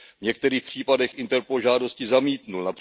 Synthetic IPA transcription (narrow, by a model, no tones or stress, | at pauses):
vɲɛk̚t̪ɛɾiːxpr̝̥iːpadɛxʔɪnt̪ɛɾpolʒaːdo̞scɪzamiːt̪nulnapr̥